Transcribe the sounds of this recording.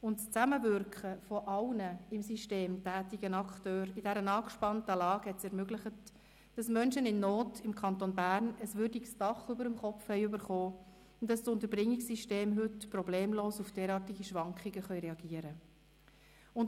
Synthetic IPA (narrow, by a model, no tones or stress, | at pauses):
ʊntst͡sæməvʏɾkχəfɔʔɑlnəɪmsiʃteːmtæːtiɡənɑkχtøːɾɪdɛɾənɑːkʃpɑntəlɑːɡhɛtsɛɾmøɡlɪχət | d̥ɑsmœnʃənɪnːɔːtɪmkʰɑntonbærnəsʋʏɾdiksd̥ɑχʏbəɾəmχɔfhɛɪʉbəɾχoː | ʊndɑstʊnt̪əɾbʁɪŋːɪksiʃteːmɦʏtprɔbleːmloːsufd̥ɛːɾɑːtiɡiʃʋɑŋkχɪɡəχœʏɾeɑɡiəɾə | ʊn